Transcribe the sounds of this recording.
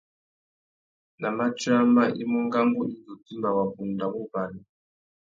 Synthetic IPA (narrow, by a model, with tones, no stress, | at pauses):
na˨ma˦t͡ʃa˦ma˦ʔi˦mu˦ŋɡa˦ŋɡɔ˦i˦nd͡zɔ˨ti˦mba˨wa˨ɸu˨nda˨mu˦ba˨ni˨